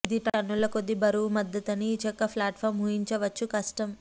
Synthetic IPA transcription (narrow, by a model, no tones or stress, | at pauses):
id̪iʈɐnːulɐkod̪ːibɐɾuʋumɐd̪ːɐt̪ɐniːt͡ʃɐkːɐpʰlaːʈfʰɐːɾmɦuːjiɲt͡ʃɐʋɐt͡ʃːukɐʂʈɐm